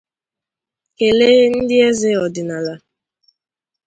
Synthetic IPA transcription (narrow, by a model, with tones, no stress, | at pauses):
ke˨leː˦n̩˦dɪ˦e˦zɪ˦ɔ˨dɪ˨na˨la˨